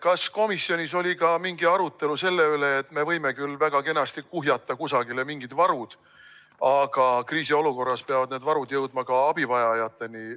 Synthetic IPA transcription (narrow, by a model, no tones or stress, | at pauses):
kɑsko̞misjo̞nisolʲikɑmiŋɡiɑɾut̪ːˑe̞luse̞lːe̞øle̞ːt̪ːˑme̞vɤjme̞kylːvæɡ̥ɑke̞nɑst̪ikːuɦjɑt̪ːˑɑkusɑɡile̞miŋɡ̥id̪̥vɑɾud̪̥ | ɑɡ̥ɑkriːsio̞luko̞rːɑspeɑvɑd̪ne̞ːd̪vɑɾud̪̥jɤwd̪̚mɑkɑɑb̥ivɑjɑjɑt̪ːˑe̞ni